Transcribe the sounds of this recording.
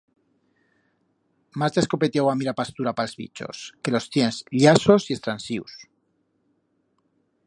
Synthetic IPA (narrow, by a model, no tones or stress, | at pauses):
mazd̪eskopet̪jawamiɾapast̪uɾapalzβḭt͡ʃo̰skelo̞st̪jensʎasosie̞st̪ɾansiws